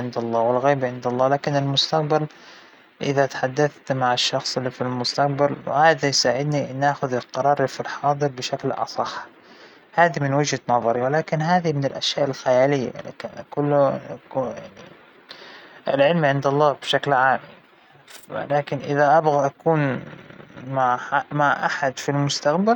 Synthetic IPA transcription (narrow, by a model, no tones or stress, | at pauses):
ʕɪnd̪ɑlˤːɑːwɪlɣiːbʕɪnd̪ɑlˤːɑːlaːkɪnɪlmʊst̪aq̚bal | ʔɪðat̪ḁħad̪ːaθt̪maʕaʃːɑxsˤɪlːifilmʊst̪aq̚balwʕaːd̪ajsaːʕɪd̪niʔɪnːʔaːxʊðɪlqɑɾˤɑːɾˤfilħɑːd̪ˤɨɾbɪʃaklʔɑ̰sˤɑħ | haːðimɪnwɪd͡ʒhanɑðˤɑɾiwɪlaːkɪnɦaːðimɪnɪlʔaʃjaːʔɪlxajaːlɪjːa̰l̰kankʊlːʊkːja̰ʕnḭ | ʔɪ̰lʕɪlmʕɪnd̪ɑlˤːɑːbʃaklʕaːm | w̰laːkɪnʔɪðaʔabɣaʔakuːn | maʕamaʕʔaħad̪filmʊst̪aqbal